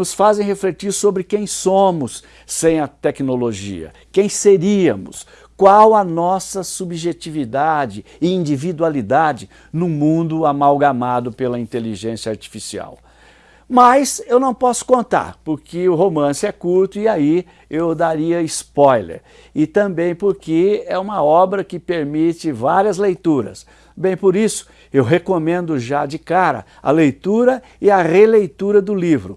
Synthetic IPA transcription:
nʊsfazẽj̃ɦeflet͡ʃiɾsobɾɪkẽj̃sõmʊsː | ẽj̃ɐt̪ɛknoloʒḭɐ̰ | kẽj̃seɾiɐmʊ̰s | kwawɐnɔsɐsubʒet͡ʃivid̪ad͡ʒɪ | ɪĩnd͡ʒivid̪ualid̪ad͡ʒɪ | nũmũnd̪ʊamawɡamad̪ʊpelɐĩnt̪eliʒẽsjɐaɾt͡ʃi̥fisia̰w | majsewnɐ̃w̃pɔsʊ̥kõnt̪a̰ɾpʊɾkɪʊɦomɐ̃sɪɛkuɾt̪ʊɪai | ewd̪aɾiɐɪspɔjlḛɾ | ɪt̪ɐ̃bẽj̃poɾkɪɛũmɐɔbɾɐkɪpeɾmit͡ʃɪvaɾiɐzlejt̪uɾɐ̰s | bẽj̃poɾisʊ̥ | ewɦekomẽnd̪ʊʒad͡ʒɪkaɾɐ̰ | ɐ̰lejt̪uɾɐ | ɪɐʁelejt̪uɾɐd̪ʊlivɾʊ

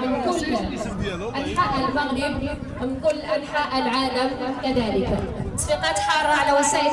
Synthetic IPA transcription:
mɪnkʊlː | ʔalħaːʔalmaɣjɪbni | wmɪnkʊlːʔalħaʔalʕaːlamkaðaːlɪksɪqɑːt̪ħɑːɾˤɑʕalawasaːʔɪ

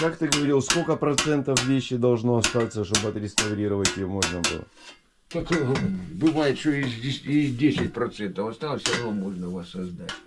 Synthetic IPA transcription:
kakt̪ɨɡəvɐɾʲilˠskolʲkəpɾɐt̪sɛnt̪əfvʲeɕːɪd̪ɐlˠʐno̞ɐst̪at̪səʂt̪obɨɐt̪ɾʲɪst̪ɐvɾʲiɾəvətʲɪjomo̞ʐnəbɨ̰lˠə̰ | t̪ɐkojbɨvajɪt̪ʂt̪oɪzʲɪɪzʲdʲesʲɪt̚ʲpɾɐt̪sɛnt̪əfɐst̪alˠəsʲɐnvomoʐnəvasːɐzd̪atʲ

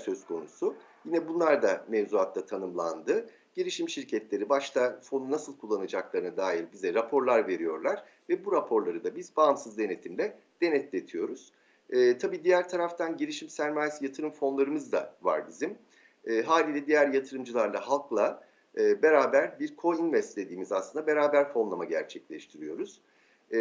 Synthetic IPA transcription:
sø̞skʰo̞̰nusʊ | jinɛbunlˠaɾd̪amevzuat̪ʰlat̪ʰanɯmlˠa̰nd̪ɯ | ɟ̥iɾiʃimʃiɾcʰɛt̪lʲe̞ɾibaʃlˠafo̞nunasɯlˠkʰulˠːanad͡ʒaklˠaɾɯnad̪aːjiɾbizɛɾapʰo̞ɾlˠaɾve̞ɾijo̞̰ɾlˠaɾ̥ | vɛbuɾapʰo̞ɾlˠaɾɯd̪abizbaːmsɯzd̪e̞ne̞t̪ʰimlʲɛ | d̪̥e̞nɛt̪lʲet̪ʰijo̞ɾuz̥ː | t̪ʰabiːd̪ijæɾt̪ʰaɾaft̪ʰanɟiɾiʃimsæɾmaːjesijat̪ʰɯɾɯmfo̞nlˠaɾɯmɯzd̪a̰va̰ɾbizim | ɛːɦaːlʲiːlʲɛd̪ijæɾjat̪ʰɯɾɯmd͡ʒɯlˠaɾd̪ˠaɦalˠklˠa | ɯːbe̞ɾaːbæɾbiɾkʰo̞invɛst̪lʲe̞d̪iːmizaslɯnd̪abe̞ɾaːbæɾfo̞nlˠamaɟæ̰ɾt͡ʃʰɛclʲɛʃt̪ʰiɾijo̞ɾuz̥

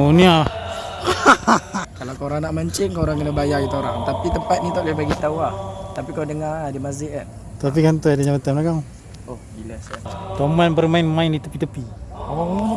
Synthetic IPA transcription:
onia | kalawkaoɾaŋnaʔmaɲt͡ʃɪŋkauɾaŋkənabajaɡit̪uoɾa̰ŋt̪apit̪əmpat̪̚nit̪aʔlehbaɡit̪awat̪apikadəŋadəmazɪʔkan | t̪ap̬ikant̪ɔadaɲamət̪əmlakaŋ | ohbilaskant̪omanbərmaɪnmaɪnit̪upit̪əpiawa

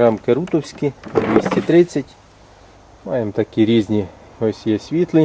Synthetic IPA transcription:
ɾɑmkeɾut̪ɔwsʲkid̪ʲʋʲisʲtʲit̪ɾɪt͡sʲːɐtʲ | mɑ̰jemt̪ɐkʲiɾʲizʲnʲi | ɦɔsʲijɛsʲʋʲit̪lˠɪ

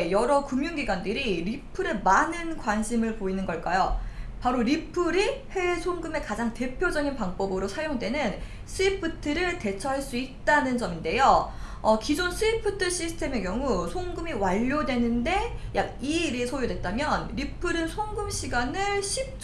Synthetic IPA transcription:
jʌɾʌkɯmjuŋɡiɡwandɯɾiɾipʰɯɾemanɯnkwanɕʰimɯɭpoinɯnɡʌɭk͈ajopaɾoɾipʰɯɾiɸe̞sʰoŋɡɯme̞kad͡ʑaŋte̞pʰjod͡ʑʌɡinpaŋbʌbɯɾosʰaɭjoŋdwe̞nɯn | s͈ʰɯipʰɯtʰɯɾɯɭte̞t͡ɕʰʌɦaɭs͈uit̚t͈anɯnd͡ʑʌminde̞jo | ʌkid͡ʑons͈ʰɯipʰɯtʰɯɕ͈ʰisʰɯ̥tʰe̞me̞kjʌŋusʰoŋɡɯmiwaʎːodwe̞nɯnde̞jaɡ̚iɾesʰojodwe̞t̚t͈amjʌnɾipʰɯɾɯnsʰoŋɡɯmɕʰiɡanɯɭɕʰip̚t͡ɕ

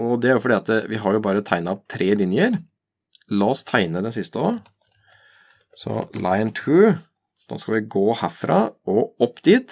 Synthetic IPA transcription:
ɔd̪ɛæɾjʊfɔɖiːɑt̪əʋɪɦɑɾjʊbɑːɾət̪ʰæɪnɑp̚t̪ʰɾʔeːlɪnjəɾ | lɑːɔst̪ʰæɪnəd̪ɛnsɪst̪əo | sɔ̰laɪənt̪ʰʉː | d̪̥ɛ̰nskɑʋɪɡoːhæːfɾɑːɔɔpːd̪iːt̪

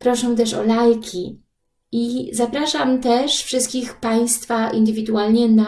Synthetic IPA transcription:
pɾɔʂɛ̃w̃t̪ɛʂɔ̰lajkʲʰi | izapɾaʂamt̪ɛʂfʂɘst̪kʲixpaj̃st̪faʔḭnd̪ɘvʲid̪ualɲɛna

